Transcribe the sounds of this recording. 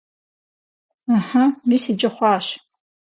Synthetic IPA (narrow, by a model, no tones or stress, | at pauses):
aħamisid͡ʒʼɐχʷaːɕ